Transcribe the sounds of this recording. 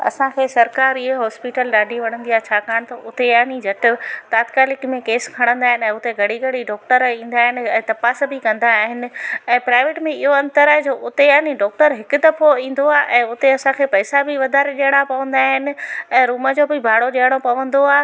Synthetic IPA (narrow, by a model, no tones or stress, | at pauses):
ɐ̰sãkʰeːsɐɾkaːɾiɦɦɔːspiʈəlɗaːɖʱiʋɐɽ̤̃ə̃nd̪iaːt͡ɕʰaːkaːɽ̃t̪ɐʔʊt̪ejaːnid͡ʑʱɐʈɪ̆t̪aːt̪kaːlɪkmẽkeːskʰɐɽ̃ə̃nd̪aːɦɪnɛ̃ːʊt̪eɡʱɐɽiɡɐɽiɖɔːk̚ʈəɾĩːn̆d̪aːɦɪnɪ̆ɛ̃ːt̪ɐpaːsbʱɪkɐ̃nd̪aːɦɪnɪ̆ɛ̃ːpɾaːɪʋeːʈmẽɪɦoɐ̃nt̪əɾaːɦed͡ʑoːʔʊt̪ejaːniɖɔːk̚ʈəɾɦɪkʊd̪ɐfoĩːn̆d̪oaːʔɛ̃ːʊt̪eɐsãkʰeːpɐɪsabɪʋɐd̪ʱaːɾeɗejəɽ̃apɐʋə̃n̆d̪aːɦɪnɪ̆ɛ̃ːɾuːməd͡ʑoːbɪbʱaːɽoʄijəɽ̃opɐʋə̃nd̪oaː